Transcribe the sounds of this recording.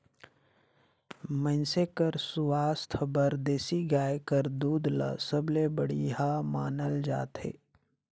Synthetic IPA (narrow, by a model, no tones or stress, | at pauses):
mə̃nsekəɾsʊʋaːst̪ʰəbəɾd̪eːsiɡaːjkəɾd̪uːd̪la̰səblebəɽiɦamaːnəld͡ʒa̰ːt̪ɦḛː